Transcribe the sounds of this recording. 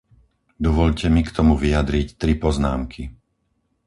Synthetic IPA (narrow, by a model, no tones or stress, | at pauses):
d̪ɔʋɔʎcɛmikt̪ɔmuʋiad̪ɾict̪ɾipɔznaːmkʰi